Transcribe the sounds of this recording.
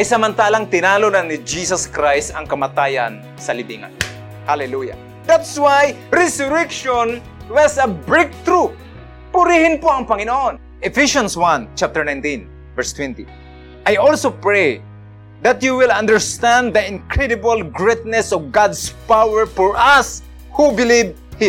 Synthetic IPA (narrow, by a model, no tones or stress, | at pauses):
ʔajsɐmɐnt̪aːlaŋt̪ɪnalonannɪd͡ʒisɐskɾajst̪ɐŋkɐmat̪aːja̰n | sɐlɪbiŋa̰n | halɛluja̰ | d̪at̪swajɾɛsʊɾɛkʃon | wɐsɐbɹek̚t̪ɾu | pʊɾihɪnpoɐŋpɐŋɪnoʔon | ʔɛfiʃãnswãnt͡ʃap̚t̪ɛɹnãjnt̪ĩn | vɛɹst̪wɛ̃nt̪ḭ | ʔajɔlsopɹej | d̪at̪juwɪlɐ̃nd̪əɹst̪ãnd̪d̪ɐɪ̃nkɹɛd̪ɪbalɡɹet̪̚nɛsɔvɡad̪spawɛɹfɔɹʔas | hubɪliv | hɪ̃